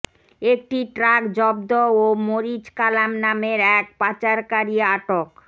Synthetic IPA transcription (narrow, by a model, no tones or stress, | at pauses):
ek̚ʈiʈɾakd͡ʑɔbd̪oomoɾit͡ɕkalamnameɾɛk̚pat͡ɕaɾkaɾiaʈok